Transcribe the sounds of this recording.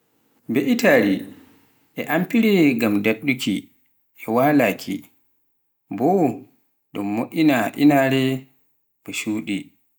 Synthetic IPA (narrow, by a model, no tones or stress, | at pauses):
beʔitaɾi | ʔɛʔampiɾɛɡamdaɗːuki | ɛwaːlaːkʰḭ | bɔ | ɗɔmːoʔʲinaʔḭnaɾɛ | bɔʃuːɗi